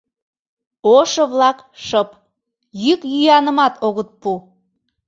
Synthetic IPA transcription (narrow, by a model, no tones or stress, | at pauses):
oʃɤβlɑk | ʃəp | jykjyjɑnəmɑt̪ʰoɣət̪̚pu